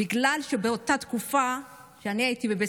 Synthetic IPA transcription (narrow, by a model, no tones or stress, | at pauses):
iɡlalʃebeot̪at̪kufa | ʃeaniajit̪ibebe